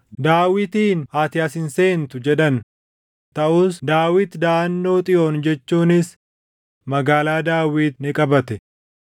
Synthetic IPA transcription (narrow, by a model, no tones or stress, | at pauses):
d̪aːwɪt̪iːnhaːt̪ɪjɐsɪnseːnt̪ʊd͡ʒɛᶑɐn | t̪ɐʔuːsd̪aːwɪt̪d̪aːɐnːo̞ːt̪ʼɪʔoːnd͡ʒɛt͡ʃːuːnɪs | mɐɡaːlaːd̪aːwiːt̪nɪkʼɐbɐt̪ɛ